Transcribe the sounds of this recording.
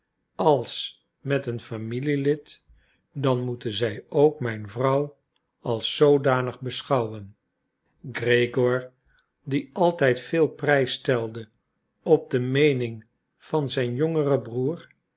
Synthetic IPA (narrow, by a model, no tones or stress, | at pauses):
ɑlˠs | mɛtənfamililɪt | dɑnmutənzɛjowkmɛjnvrʌw | ɑlˠsowdaːnəχbəsχɑwən | ɡrejɡɔɹ | diɑlˠtɛjtfɪːlˠprɛjstɛlˠdə | ɔb̚dəmejnɪŋ | v̥ɑnzɛjnjoŋərəbruːr